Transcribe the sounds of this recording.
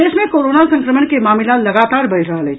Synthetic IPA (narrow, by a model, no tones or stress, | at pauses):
eːʃmẽkoːɾoːnasɐ̃ŋkɾəməɳkemaːmɪlãlɐɡaːt̪aːɾbəɾəɦəlɦe